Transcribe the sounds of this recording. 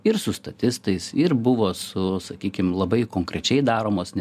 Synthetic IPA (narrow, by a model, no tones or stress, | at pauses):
ɪɾsʊst̪ɐt̪ʲɪst̪ɐɪsɪɾbʊʋoːsʊsɐkʲiːkʲɪmlˠɐbɐɪkoːŋkɾʲɛt͡ʃʲɛɪd̪ɑːɾoːmoːsnʲɛ